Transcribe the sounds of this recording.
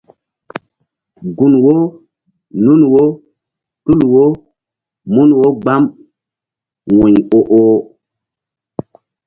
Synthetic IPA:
ɡu˨nwo˦ | nu˦nwo˦ | tu˦lwo˦ | mu˦nwo˦ɡ͡ba˦m | wɔ˨ɲo˦ʔo˦

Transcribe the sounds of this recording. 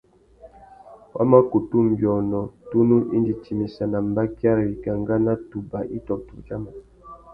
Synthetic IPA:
wʔa̰˦ma˦ku˨tu˦m̩˨bjɔ˨nɔ˨tu˦nu˦ʔi˦ndi˨t͡ʃi˨mi˨sa˨na˨m̩˦ba˦kja˦ɾwi˨ka˨ŋɡa˦na˦tu˨ba˨ʔi˦tɔ˨p̚tu˨t͡ʃa˦ma˨

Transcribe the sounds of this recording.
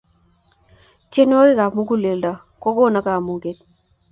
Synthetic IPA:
t͡ʃe˦n˦ɔ˦kɪ˦ka˨mu˦k̬u˦le˨lda˨ | kɔ˦ko˦˨na˦ka˨mu˨ke˨t̚

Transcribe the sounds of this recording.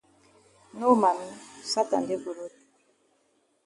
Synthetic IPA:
no˦ma˨n˦sa˦ta̰˨nde˦ɡu˨ɾo˦t̚

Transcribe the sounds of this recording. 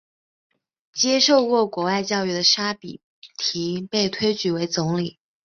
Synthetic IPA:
t͡ɕjɛ˥ʂo˥˧ʊkwɔ˥˩kwɔ˧˥wa˥˧ɪt͡ɕjɑ˥˧ʊy˥˩d̪ə˨ʂa˥pḭ˨˩ | t̪ʰi˧˥pe˥˩ɪt̪ʰwe˥ɪt͡ɕy˧˥we˧˥ɪt͡sʊ˧˥ŋli˨˩˦

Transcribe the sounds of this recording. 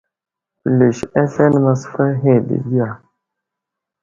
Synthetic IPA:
pə˨le˨ʃa˦ɬe˦n˦ma˨sfa˦ɦe˦˨dḛ˨di˦ja˨

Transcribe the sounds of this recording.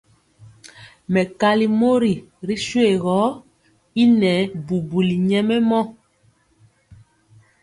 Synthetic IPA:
mɛ˨ka˦li˦mo˦ɾi˨ɾi˦ʃwe˦˨ɣɔ˨˦ | i˦nɛ˨˦bu˨bu˨li˨ɲɛ˦mɛ˦mɔ˦

